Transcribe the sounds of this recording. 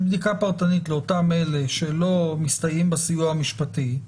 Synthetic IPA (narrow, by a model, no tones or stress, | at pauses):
bd̪ikapaʁt̪anitleotame̞le̞ʃe̞lo̞mist̪ajimbasijuamiʃpat̪i